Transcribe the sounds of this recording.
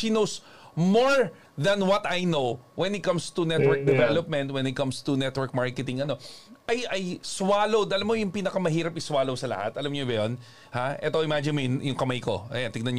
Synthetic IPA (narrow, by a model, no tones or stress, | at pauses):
ʃinows | moɹ | ðɐ̃nwɐt̪ajnowwɛnɪt̪̚kɐ̃mst̪unɛt̪̚wɛɹk̚d̪ɛvɛlop̚mɛ̃nt̪wɛ̃nɪt̪̚kɐ̃mst̪ʊnɛt̪wɛɹk̚maɹkɛt̪ɪŋɐno̞ʔɐjɐjswaːlowd̪ɐlɐmːojʊŋpiːnɐkɐmɐɦiːɾɐpɪswaːlowsɐlɐ̰ha̰t̪ʔɐlamɲobɐjon | haʔɛt̪oʔɪmad͡ʒɪnmojjʊŋkɐmajko̞̰ʔɐ̰jant̪ɪɡ̚nɐnɲ